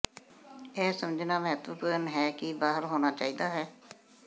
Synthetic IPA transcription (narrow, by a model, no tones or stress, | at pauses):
ɛːsəməd͡ʒnaːməɦət̪ʋəpəɾənɦɛːkɪbaːɦəɾɦoːnaːt͡ʃaːiːd̪aːɦɛː